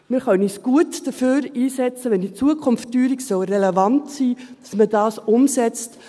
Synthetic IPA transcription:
mɪːɾχœnisɡ̥uətd̥əføːɾiːsɛt͡səʋɛndit͡suəkʰʊnftːyːɾiksɔlrɛlɛvɑntsiːd̥ɑsməd̥ɑːsʊmsɛt͡st

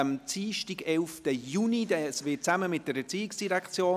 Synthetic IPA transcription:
mt͡siːʃtiɡɛlftəjuːnidɛsvɪt͡saməmɪt̚d̥əɾɛt͡siːɪksd̥iɾɛkt͡sjoː

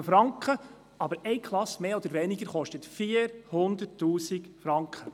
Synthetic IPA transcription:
əfɾɑŋkχə | ɑbəɾɛɪkχlˠɑsmeːod̪əɾʋɛnɪɡəɾχɔʃtətfiːəɾhʊnd̪ətːuːsɪkfɾɑŋkχə

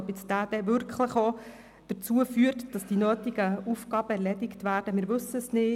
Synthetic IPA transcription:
bɪt͡sd̥̪æːd̥ɛʋʏɾkχləχo | d̪̥ət͡suəfyːəɾtd̥ɑsd̥inøːtɪɡəufɡɑːb̥əɛɾlɛdɪktʋæːɾd̥əmɪːɾʋɵsːəsnɪː

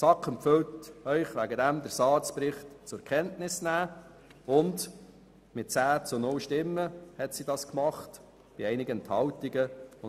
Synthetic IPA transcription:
sɑkχɛmpfɪltœʏχʋæɡədæmd̪əɾsɑːt͡spɾɪχtt͡sʊɾkʰɛntnɪsnæː | ʊnd | mɪt̚t͡sæːt͡sʊnʊlʃtɪmːəhɛtsidɑskmɑχt | b̥ɪɛɪnɪɡənt̪hɑwtiɡəʊ

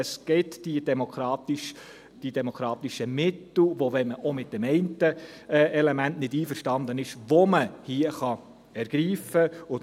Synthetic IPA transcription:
əsɡ̥ɪtd̥id̥ɛmokʰɾɑːtɪʃ | d̥id̥ɛmokʰɾɑːt̪ɪʃəmɪtl̩ʋovɛnməʔomɪt̚d̥ɛmɛɪntə | ʔɛlɛmæntnɪdiːfəɾʃtɑnd̪ənɪʃʋoməhiəχɑ | ɛɾɡ̥ɾiːfəʊ

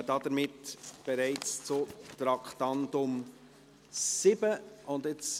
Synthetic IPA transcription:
dɑdəɾmɪtb̥eɾɛɪt͡st͡sʊtɾɑkχt̪ɑntʊm | sɪbəʊndɪt͡s

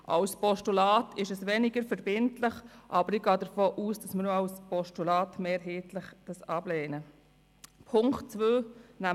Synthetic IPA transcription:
ʔa̰wspɔʃtulɑːtʰɪʃəsʋɛnɪɡəɾfəɾbɪntlɪχʔɑːbəɾɪɡɑːdəɾfoːʔuːsd̥ɑsməɾnoaʊspɔʃtulɑːtmeːɾɦeːtlɪχd̥ɑsɑbleːnə | pʰʊŋkt͡sʋøːnæ

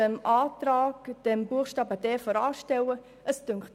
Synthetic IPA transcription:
əmʔaːt̪ɾaːɡd̥ɛmbuəχʃtɑːbəd̥ɛːfɔɾɑːʃtɛwə | ʔəstʏŋkχt

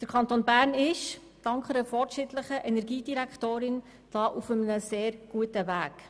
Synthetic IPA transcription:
d̪̥əɾkʰɑnt̪onbæːɾnɪʃ | d̥ɑŋkχəɾəfɔɾtʃɪtləχəʔɛnɛɾɡiːdiɾækχtoːɾɪn | d̥ɑːʔufəmənəseːɾɡ̥uətəvæːk

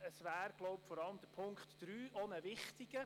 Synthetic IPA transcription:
əsʋæːɾɡ̥lɔʊpfɔɾɑləmd̥əpʰʊŋkχtd̥ɾyːʔonəvɪχtɪɡ̥ə

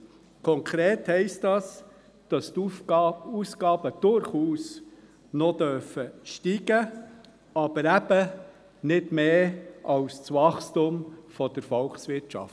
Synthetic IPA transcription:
kʰɔŋkʰɾeːthɛɪstdɑs | d̥ɑst | uːsɡɑːbəd̥ʊɾχuːs | nɔdœɾfəʃtiːɡə | ɑb̥əɾæb̥ə | nɪdmeːʔɑwst͡sʋɑχstumfɔd̥əɾfɔlksʋɪtʃɑ̰ft

